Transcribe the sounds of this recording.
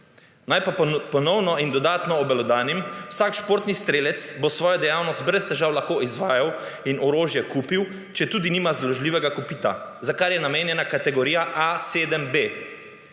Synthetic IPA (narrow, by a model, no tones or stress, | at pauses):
najpapɔnɔwnɔind̪ɔd̪aːt̪nɔːbɛlɔd̪aːnimwsakʃpoːɾt̪nist̪ɾeːlɛt̪sbosʋɔːjɔd̪ɛjawnɔst̪̚bɾɛst̪ɛʒaːwlaxkoizʋaːjawinɔɾoːʒjɛkuːpiw | t͡ʃɛt̪uːd̪iniːmazlɔʒliːʋɛɡakupiːt̪a̰zakaɾjɛnameːnjɛnakat̪ɛɡɔɾiːjaʔaseːd̪əmbe